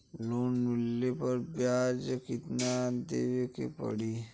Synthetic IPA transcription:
loːnːulːepɐɾbjaːd͡ʒəkɪt̪nad̪ḛʋekḛpɐ̰ɽi

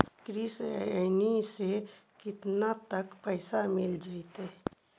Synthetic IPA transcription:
kɾisə̰nisekɪt̪nat̪əkpəɪsamɪld͡ʒaːit̪e

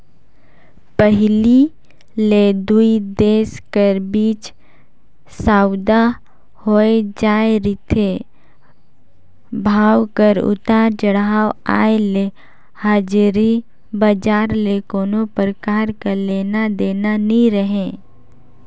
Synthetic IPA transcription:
pəɦli | led̪uid̪eːskəɾbiːt͡ʃ | saːwʊd̪a | hoed͡ʒaːeɾɪt̪ʰe | bʱaːwkəɾʊ̰t̪aːɾt͡ʃəɽaːwa̰ːele | haːd͡ʒɾi | bəd͡ʒaːɾlekoːnõpəɾkaːɾkaleːnad̪eːnaniɾəɦẽː

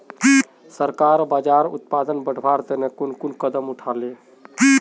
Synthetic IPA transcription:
səɾkaɾbad͡ʒaɾṵt̪̚pad̪ənbəɖ̤ʱbʱaɾd̪enekunkunkəd̪əmuʈʰale

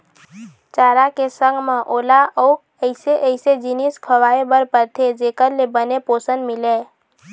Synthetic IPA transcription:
t͡ʃaːɾakesə̃ŋɡmãʔoːlaəʊk | əɪseʔəɪsed͡ʒiniskʰəʋaːebəɾpəɾt̪ʰed͡ʒeːkəɾlebənepoːsənd̪mɪleː

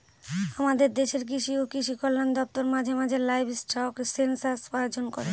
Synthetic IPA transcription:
amad̪eɾd̪eʃeɾk̬iʃiokiʃ̬ikɔlːand̪ɔp̚t̪oɾmad͡ʑʱemad͡ʑʱelajbsʈʰaoksensaɾsajod͡ʑonkɔɾe

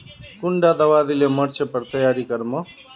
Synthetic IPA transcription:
kʊɳɖaːd̪əʋaːd̪ɪleːməɾt͡ʃʰepəɾt̪əjaːɾiːkəɾmə

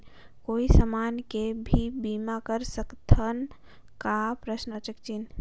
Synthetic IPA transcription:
koːisəmaːnkebʱibiːmakəɾsəkt̪ʰən | kapɾəsnət͡ʃəkt͡ʃin

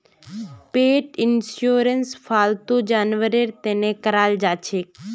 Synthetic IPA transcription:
peːʈɪnsjuːɾənsfʰaːlt̪ũd͡ʒaːnʋəɾeɾt̪eːnekəɾaːld͡ʒaːt͡ʃʰeː

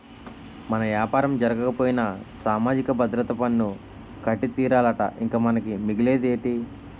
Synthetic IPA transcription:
mɐnɐʋjaːpaːɾɐmd͡ʒɐɾɐɡɐkɐpoːjinɐsaːmaːd͡ʒikɐbʱɐd̪ɾɐt̪ɐpɐnːu | kɐʈːit̪iːɾaːlɐʈɐ̰ʔiŋkaːmɐnɐkimiɡile̞ːd̪eːʈi

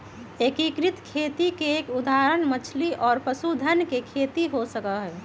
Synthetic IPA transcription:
ekikɾit̪kʰet̪ikeːkud̪aɾənmət͡ʃʰliʔɔːɾpəsud̪ʱənkekʰet̪iɦosəkəɦɛ

